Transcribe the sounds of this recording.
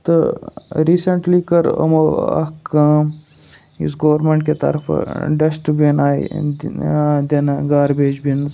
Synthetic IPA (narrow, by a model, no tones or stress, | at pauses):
t̪ɨɾiːsəɳʈlikɐɾɐ̰moɐ̰kaːm | ḭsɡoːɾmẽɳʈket̪ɐ̰ɾfʰɖɐsʈbinaːḭ | d̪enɡaːɾbeːd͡ʒbin